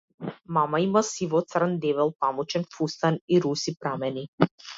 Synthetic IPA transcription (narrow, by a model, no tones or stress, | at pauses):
mamaimasivɔt̪srnd̪ɛvɛlˠpamɔt͡ʃɛnfust̪aniɾusipɾamɛni